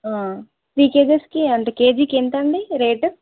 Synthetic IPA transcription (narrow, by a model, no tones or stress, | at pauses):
aː | ʈɾiːkeːd͡ʒeskiɐɳʈekeːd͡ʒikent̪ɐɳɖiɾeːʈ